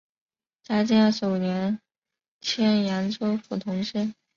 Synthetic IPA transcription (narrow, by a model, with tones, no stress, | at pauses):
t͡ɕja˥t͡ɕi˥n˥˩ʂo˨˩u˨˩njɛ˧˥n | t͡ɕʰjɛ˥nja˧˥nʈ͡ʂo˥ʊfu˨˩t̪ʰʊ˧˥ŋʂɻə˥